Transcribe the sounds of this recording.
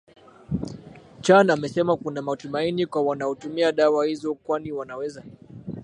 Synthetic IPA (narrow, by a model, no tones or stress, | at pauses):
t͡ʃanamɛsɛmakunamatumainikwawanaɔtumiaɗawahizɔkwaniwanawɛza